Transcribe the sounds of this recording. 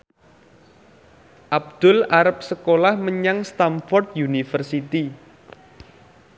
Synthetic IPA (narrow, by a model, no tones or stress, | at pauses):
ʔab̚d̪̥ʊlaɾəp̚səkolahməɲaŋst̪amfɔrt̪̚junifərsit̪i